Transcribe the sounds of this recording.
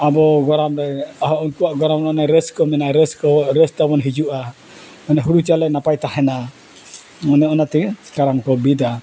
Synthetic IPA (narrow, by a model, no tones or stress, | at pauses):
abɔɡɔɾamlɛaɦɔɔnkuaʔɡɔɾamnɔnajɾɛskɔmɛnaɾɛskɔɾɛst̪abɔnɦid͡ʒuʔa | mɛnaɦuɾut͡ʃalɛnapajt̪aɦɛna | mɔnɛɔnat̪iskaɾamkɔbida